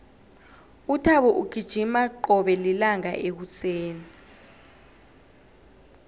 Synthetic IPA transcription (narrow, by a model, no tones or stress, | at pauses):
utʰaɓɔʔuɡ̥ʱid̥ʒ̥ʱimaǃɔɓɛlilaŋa̰ʔek̬ut͡sʰeːni